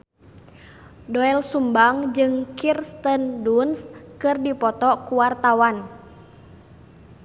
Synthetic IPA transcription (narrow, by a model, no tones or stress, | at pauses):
dɔɛlsumbaŋd͡ʒɨŋkirst̪əndunskɨrdipɔt̪ɔkuwart̪awan